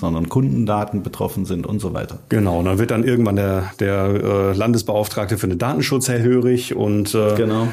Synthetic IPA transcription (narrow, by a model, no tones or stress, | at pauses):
z̥ɔndɐnkʰʊndn̩daːtn̩bətʁ̥ɔ̰fn̩zɪntʊ̰ntz̥ova̰ɪtɐɡ̥ənaʊʊnd̥anvɪɐt̚d̥anʔɪɐɡŋ̩tv̥andeːɐd̥eːɐʔɛːlandəsb̥əaʊftʁ̥aːk̚təfyːɐnəndaːtn̩ʃʊt͡shɛɐɦøːʁɪçʊ̰ntʔɛːɡ̥ənaʊ